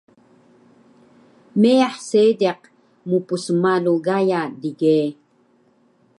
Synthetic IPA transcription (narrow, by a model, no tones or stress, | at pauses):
meaħseːdeq | mupusəmaluɣajadiɡeː